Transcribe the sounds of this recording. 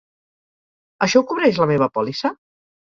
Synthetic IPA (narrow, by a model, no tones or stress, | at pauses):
əʃɔukuβɾɛʃləmeβ̞əpɔlisə